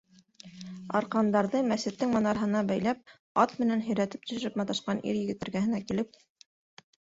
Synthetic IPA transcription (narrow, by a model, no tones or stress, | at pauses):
ɑ̰ɾqɑnd̪ɑɾðɤmæsɘ̆t̪ːɘŋmɑnɑɾɦɤ̆nɑbæjlæp̚ | ɑt̪mɘ̆nænɦɵ̆jɾæt̪ɘ̥p̚t̪ɵ̆ʃɵ̆ɾɘpmɑt̪ɑʃqɑnʔḭɾjɘ̆ɡɘ̆t̪ɘ̆ɾɡæhɘ̆nækilɘp̚